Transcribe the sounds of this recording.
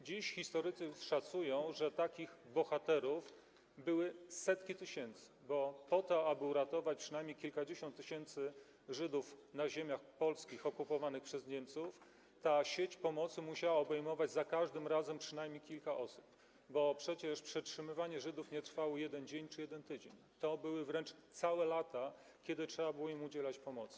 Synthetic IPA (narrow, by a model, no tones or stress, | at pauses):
d͡ʑiɕxʲist̪ɔɾɘt̪sɘʂat̪sujɔ̃w̃ʐɛt̪akʲiɣbɔxat̪ɛɾuf | bɘwɘsɛt̪kʲit̪ɘɕɛnt̪sɘ̥bɔpɔt̪ɔabɘuɾat̪ɔvat͡ɕpʂɨnajmʲɲejkʲilkad͡ʑeɕɔnt̪ːɘɕɛnt̪sɘ | ʐɘd̪ufnaʑemʲjaxpɔlskʲixɔkupɔvanɘxpʂɛzɲɛmt̪suf | t̪aɕet͡ɕpɔmɔt̪sɘmuɕawaɔbɛjmɔvad͡ʑzakaʐd̪ɘmɾazɛmpʂɘnajmʲjejkʲilkaʔɔsu̥p̚ | bɔpʂɛt͡ɕɛʂpʂɛtʂɘmɘvaɲɛʐɘd̪ufɲɛt̪ɾfawɔjɛd̪ɛnd͡ʑeɲt͡ʂɘjɛd̪ɛnt̪ɘd͡ʑḛɲ | t̪ɔbɘwɘvɾɛnt͡ʂt̪sawɛlat̪a | kʲɛd̪ɘtʂɛbabɘwɔimud͡ʑɛlat͡ɕpɔmɔt̪s